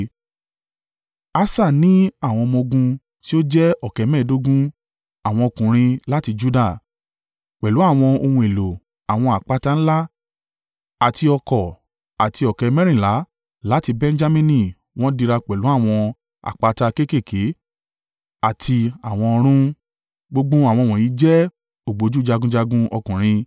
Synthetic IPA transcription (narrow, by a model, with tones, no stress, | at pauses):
a˦sa˦˨nĩ˨˦a˦˨w̃ɔ̃˧mɔ̃˧ɡũ˧ | ti˦o˦d͡ʒɛ˦ɔ˦˨kɛ˨˦mɛ̃˦˨do˦ɡũ˦ | a˨w̃ɔ̃˧o˧˨kũ˨ɾ̃ĩ˧la˦ti˧d͡ʒu˦da˦˨ | k͡pɛ˨lu˨˦a˦˨w̃ɔ̃˧o˧hũ˧e˨lo˨ | a˨w̃ɔ̃˧a˨k͡pa˨˦ta˦n̩˦la˦ | a˨ti˧ɔ˧kɔ˨ | a˨ti˧ɔ˨kɛ˨˦mɛ̃˦ɾ̃ĩ˦˨la˨˦ | la˨˦ti˧bɛ̃˦n˦d͡ʒa˦mĩ˧nĩ˧˨ | w̃ɔ̃˦di˧ɾa˧k͡pɛ˨lu˨˦a˦˨w̃ɔ̃˧ | a̰˨k͡pa˧˦ta˧ke˦˨ke˦˨ke˨˦ | a˨tʰi˧a˨w̃ɔ̃˧ɔ˧ɾ̃ũ˦ | ɡ͡bo˦ɡ͡bũ˦a˨w̃ɔ̃˧˨w̃ɔ̃˨ji˨˦d͡ʒɛ˦ | o˨ɡ͡bo˨˦d͡ʒu˦d͡ʒa˧ɡũ˦d͡ʒa˧ɡũ˦ɔ˧kũ˨ɾ̃ĩ˧